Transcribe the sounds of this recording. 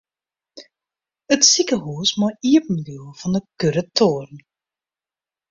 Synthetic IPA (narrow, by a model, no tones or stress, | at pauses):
ətsikəɦusmɔiəpm̩ədylˠv̥ɑndəkøɾətʰoːrn